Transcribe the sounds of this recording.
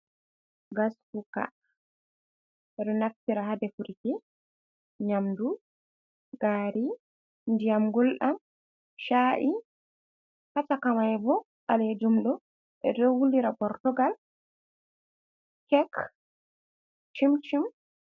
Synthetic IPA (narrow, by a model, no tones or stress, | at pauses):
ɡasfuka̰ | ɛɗɔnaftiɾaɦadɛfuɾikɛ | ɲamdu | ɡ̥aːɾi | ndijamɡɔlɗam | ʃaːʔi | hatakamajbɔ | ʔaled͡ʒumɗɔ | ʔɛ̰dɔwulːiɾapɔɾtɔɡal | kɛk | t͡ʃimt͡ʃim